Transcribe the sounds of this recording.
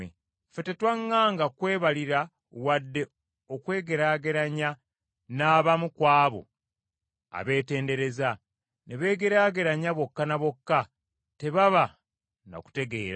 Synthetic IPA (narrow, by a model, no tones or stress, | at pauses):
e | fe̞te̞twaŋːaːŋɡakwe̞ːβaliɾa | wadːe̞ | okwe̞ːɡe̞ɾaːɡe̞ɾaɲa | naːβamukwaːβo̰ | a̰βe̞ːte̞ːnde̞ɾe̞za | neβe̞ːɡe̞ɾaːɡe̞ɾaɲaβo̞kːanaβo̞kːa | te̞βaβa | no̰ku̥te̞ɡe̞ːɾa